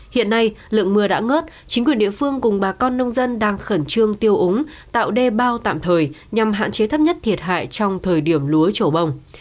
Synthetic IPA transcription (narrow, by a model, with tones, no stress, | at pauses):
hḭ˧˨ənːa˧jlɨ̰˧˨əŋmɨ˧əɗa̰ː˧˥ŋəː˦˥t̚ | t͡ɕï˨˦ŋkwi˨˩ənɗḭ˧˨əfɨ˧əŋkʊ˨˩ŋ͡mɓaː˨˩kɔ˧nːə˧wŋ͡mzə˧nɗaː˧ŋxə˧˩nt͡ɕɨ˧əŋt̪i˧əwʔʊ˨˦ŋ͡m | t̪a̰ː˧˨wɗe˧ɓaː˧wt̪a̰ː˧˨mt̪ʰəː˨˩jɲa˨˩mɦa̰ː˧˨nt͡ɕe˨˦t̪ʰə˦˥p̚ɲə˦˥t̚t̪ʰi˨˩ət̚ɦa̰ː˧˨jt͡ɕɔ˧wŋ͡mt̪ʰəː˨˩jɗi˧˩əmlu˨˦ət͡ɕo˧˩ɓə˨˩wŋ͡m